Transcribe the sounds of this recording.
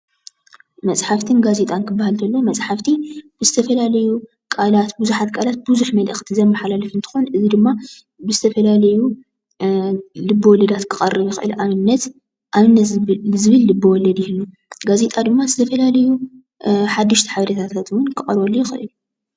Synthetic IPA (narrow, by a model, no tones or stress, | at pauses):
mɐsʼħaft̪ʰɨnɡaze̞t̪ʼankʰɨbːahalt̪ʰɐlːomɐt͡sʼħaft̪ʰib̥ɨzɨt̪ʰɐfɐlalɐju | kʼalat̪buzuħat̪kʼʰalat̪̚buzuħmɐlʔɨxt̪ʰizɐmːaħalalɐfɨnt̪ʰɨ̥xonʔɨzid̪ɨmːa | bɨzɨt̪ʰɐfɐlalɐju | lɨbːɨwɔlɐd̪at̪kʰɨqʼɐrːɨβjɪxɨʔɨlʔamɨnːɐt̪ | ʔamɨnːɐzɨβɨlːɨbɨwɔlːɐd̪jɪhɨlːu | ɡaze̞t̪ʼad̪ɨmːazɨt̪ʰɐfɐlalɐju | ħad̪ːɨʃt̪ʰi̥ħaβɐɾɐt̪ʰat̪ʰat̪wʊnkʰɨχʼɐɾbolːujɪxɨ̰ʔɨ̰lu